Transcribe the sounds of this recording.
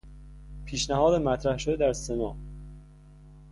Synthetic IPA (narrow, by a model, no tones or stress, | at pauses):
pʰiːʃnæɦɒːd̪emæt̪ʰɾæhʃo̞d̪ed̪æɾsenɒː